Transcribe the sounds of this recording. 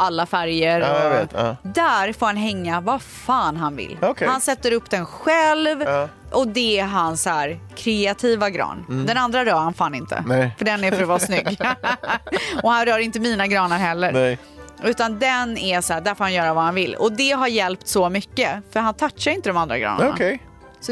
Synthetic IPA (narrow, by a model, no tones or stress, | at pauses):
ʔalːafæɾjəɾɔ | d̪æɾfoːɾhanɦɛŋːavafaːnɦanvɪ̰lːkʰhansɛt̪ːəɾɵpːd̪ɛnɧɛlv | ʔɔd̪ɛæɦansæːɾkʰɾɛat̪ʰiːvaɡɾɑ̰ːnd̪ɛnand̪ɾaɾœːɾhanfaːnɪnt̪ʰə̰fœɖɛnæɾfœɾɔvɑːsnʏɡː | ɔhanɾœːɾɪnt̪əmiːnaɡɾɑːnaɾɦɛlːəɾ | ʉ̟ːt̪and̪ɛnæsæːɖ̪æɾfoːɾhanjœːɾavahanvɪlːɔ̰d̪ɛɦaɾjɛlpt̪sɔmʏkːəfœɾɦant̪ʰatʂaɾɪnt̪əd̪ɔmand̪ɾaɡɾɑ̰ːna | s